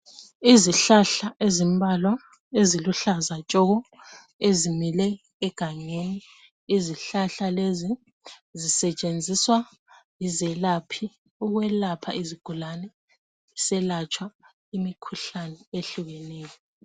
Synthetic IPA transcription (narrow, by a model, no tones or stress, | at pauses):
iziɬaɬaʔezimbʱalwa | eziluɬazat͡ʃʼɔɣɔ | ezimilɛː | ɡ̥ʱaŋeniː | ziɬaɬalezi | zisɛt͡ʃʼend͡zʱiswa | izɛlapʰi | uɣwɛlapʰa̰iziɡ̥ʱulanɛ | isɛlat͡ʃʼwa | imikʰuɬanɛeɬuɣɛnɛːjɔ